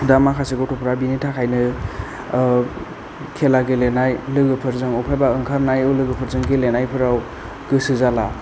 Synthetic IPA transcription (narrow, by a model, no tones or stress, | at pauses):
damakʰaseɡɔtʰɔpʰɾawbinitʰakʰajnɯ | kʰelaɡelenajlɯɡɯpʰɯɾzɯŋɔpʰajbaɯŋkʰaɾnajɯwlɯɡɯpʰɯɾzɯŋɡelenajpʰɯɾaw | ɡɯsɯzala